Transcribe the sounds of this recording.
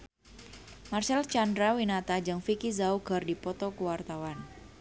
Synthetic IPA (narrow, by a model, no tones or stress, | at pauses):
marsɛlt͡ʃandɾawinat̪ad͡ʒɨŋfikizauɡ̥ərdipɔt̪ɔkəwart̪awan